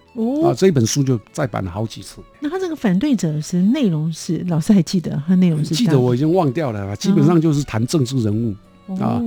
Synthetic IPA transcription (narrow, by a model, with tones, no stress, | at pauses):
ɔ˥˩a˥˧ʈ͡ʂɤ˥˧i˥pə˨˩nʂu˥t͡ɕjo˥˧ʊt͡sa˥˩ɪpa̰˨˩nlə˦˩xɑ˨˧˥ʊt͡ɕi˨˩t͡sʰɹ̩˥˩na˥˩t̪ʰa˥ʈ͡ʂɤ˥˩ɡə˩fa˨˩nt̪we˥˩ɪʈ͡ʂɤ˨˩ʂɻ̩˥˧ne˥˩ɪɻʊ˧˥ŋʂɻ̩˥˩lɑ˨˩ʊʂɻ̩˥xa˧˥ɪt͡ɕi˥˩d̪ə̰˩a˥ne˥˩ɪɻʊ˧˥ŋʂʂ̩˥˧t͡ɕi˥˧˥d̪ə˨wɔ˨˧˩i˨˩t͡ɕi˦˥ŋwɑ˥˨ŋt̪jɑ˥˨˩ʊlə˨a˨˩t͡ɕi˦˥ə˨˩nʂɑ˥˧ŋt͡ɕjo˥˧ʊʂ̬ɻ̩˥˩t̪ʰa˧˥nʈ͡ʂɤ˥˧ŋʈ͡ʂɻ̩˥˩ɻə˧˦nu˥˩ | ɔa̰˧